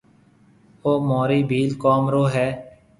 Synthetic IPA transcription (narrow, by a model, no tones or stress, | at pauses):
oːmoːɾiːbʱiːlkoːmɾoːɦɛː